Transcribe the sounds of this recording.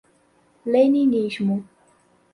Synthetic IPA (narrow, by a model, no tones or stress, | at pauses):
lejniniʃmu